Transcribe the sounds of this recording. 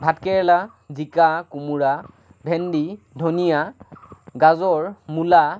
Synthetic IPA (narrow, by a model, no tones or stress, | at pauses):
bʱatkɛɹɛla | zikakumuɹa | bʱɛndi | dʱonija | ɡazɔɹmula